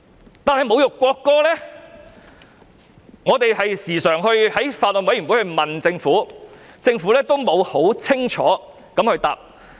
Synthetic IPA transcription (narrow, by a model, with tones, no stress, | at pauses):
t̪aː˨nhɐ˨jmo˨˧wjʊ˨kːwɔː˧kːɔː˥lɛː˥ | ŋɔː˨˧t̪e˨jhɐ˨jsiː˨˩sœː˨˩ŋɦɵ˧ɥhɐ˨˥jfaː˧t̚lɔ˨nwɐ˨˥jɥy˨˩wu˨˥hɵ˧ɥmɐ˨nt͡sɪ˧ŋfuː˨˥t͡sɪ˧ŋfuː˨˥lɛː˥t̪o˥wmo˨˧who˨˥wt͡sʰɪ˥ŋt͡ʃʰɔ̰ː˨˥ | kɐ˨˥mhɵ˧t̪a̰ː˨p̚